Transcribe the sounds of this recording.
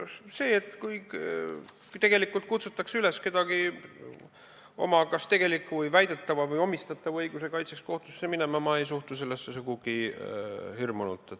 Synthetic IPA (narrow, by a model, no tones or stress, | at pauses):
se̞ːet̪ːˑkuj | t̪e̞ɡe̞likːˑult̪̚kut̪sut̪ːˑɑksyle̞ske̞d̪̥ɑɡ̥i | o̞̰mɑkɑst̪e̞ɡ̥e̞likːˑuvjvæjd̪̥e̞t̪ːɑvɑvɤjo̞mist̪ɑt̪ːˑɑvɤjɡ̥use̞kɑjt̪seksko̞ht̪usːemine̞mɑmɑe̞js̬uht̪use̞lːesːesuɡuɡ̥i | hirmunṵt̪ːˑe